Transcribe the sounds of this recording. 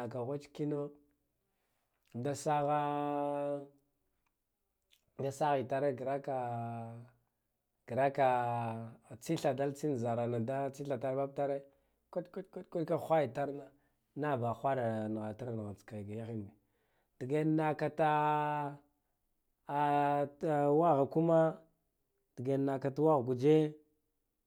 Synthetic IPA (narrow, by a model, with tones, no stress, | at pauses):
a˨ka˨ɣa˦t͡ʃki˦no˦ | da˦sa˦ɣa˦ | da˦sa˦ɣi˨ta˨ɾe˦ɡɾa˦ka˨ | ɡ̥i˨ɾa˦ka˨ | t͡si˦ɬa˨da˦lt͡si˦n˨za˨ɾa˨na˨da˦t͡si˦ɬa˨ta˦ba˦b̚ta˦ɾe˦ | kʷa˦tka˦tkʷa˦tkʷa˦ka˦xʷa˦ji˨ta˦ɾna˦ | na˦˨ba˨xʷa˦ɾa˨n˨ɣa˨ta˦ɾn˨ɣa˨t͡ska˨ɡa˨ja˦xi˦m˨ni˨ | d̥i˨ɡe˦nː˦a˨ka˨ta˦˨ | wa˦ɣa˨ku˦ma˦ | d̥i˨ɡe˨na˨ka˨ta˦wa˦ɣɡu˨d͡ʒe˦